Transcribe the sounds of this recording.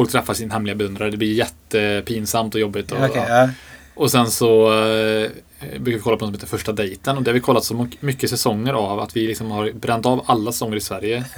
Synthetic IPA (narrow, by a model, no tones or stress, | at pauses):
fɔlkt̪ʰɾɛfːaʂɪnahɛmlɪɡabɛɵnd̪ɾaɾəɖ̪ɛblɪjɛt̪ːəpʰiːnsamt̪ɔjɔbːɪt̪ɔ | ɔsɛnsɔ | bɾʉːkaɾɪkɔlːapɔnɔsmeːt̪ɾfœʂʈad̪ɛjt̪ənɔd̪ɛhaɾvɪkʰɔlːat̪sɔmmʏkːəsɛsɔŋːəɾava̰t̪vɪlɪksɔmhaɾbɾɛnːt̪ɑvalːasɛ̥sɔŋːəɾɪsvæɾjə